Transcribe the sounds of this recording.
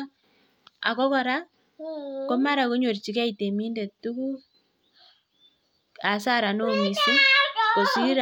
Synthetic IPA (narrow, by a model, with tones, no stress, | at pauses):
a̰˨kɔ˦kɔ˨ɾa˦ | kɔ˦ma˦ɾa˨ko˦ɲo˨ɾt͡ʃi˨ka˦i˨te˨mi˦nde˨tu˦ku˦ | a˨sa˦ɾa˨no˦mi˨si˦ko˨si˦ɾ